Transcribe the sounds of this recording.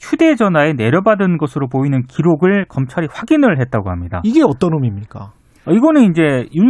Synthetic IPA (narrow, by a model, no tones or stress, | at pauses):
çʰude̞d͡ʑʌnae̞ne̞ɾjʌbadɯnnɡʌsʰɯɾopoinɯnkiɾoɡɯɭkʌmt͡ɕʰaɾiɸwaɡinɯɭɦe̞t̚t͈aɡohamɲida̰iɡe̞ʌt͈ʌnɯmimɲik͈a | ʌiɡʌnɯnind͡ʑe̞ju